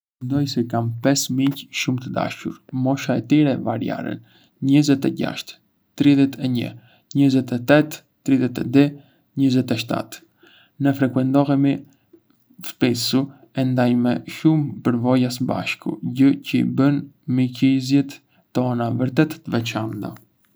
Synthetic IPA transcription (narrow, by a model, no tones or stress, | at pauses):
ɛnd̪ɔjsɛkampɛsmiɲcʃumt̪əd̪a̰ʃuɾmɔʃaɛt̪iɾɛvaɾja̰ɾə̰n | ɲəzɛt̪ɛɟa̰ʃt̪ | t̪ɾiðɛt̪ʰɛɲə̰ | ɲəzɛt̪ɛt̪ɛt̪ː | ɾiðjɛt̪ɛd̪ɛ | ɲəzɛt̪ɛʃt̪a̰t̪ | nəfɾɛkwɛnt̪ɔɦɛmi | fpisu | ɛnd̪ajmɛʃumpəɾvɔjasəba̰ʃkṵɟəcəḭbənmicizjɛt̪ː | ɔnavəɾt̪ɛt̪ːəvɛt͡ʃant̪a̰